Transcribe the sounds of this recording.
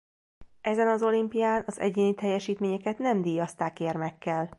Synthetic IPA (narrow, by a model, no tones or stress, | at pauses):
ʔɛzɛnɒzo̞limpijaːnɒzɛ̰ɟeːnit̪ɛjːɛʃiːt̪meːɲɛkɛt̪nɛmd̪iːjɒst̪aːkermɛkːɛl